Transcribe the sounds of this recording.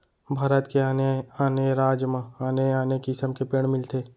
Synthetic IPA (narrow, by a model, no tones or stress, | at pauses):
bʱaːɾət̪keaneaːneɾaːd͡ʒmãaːneaːnekisəmkepeːɽ̃mɪlt̪ʰeː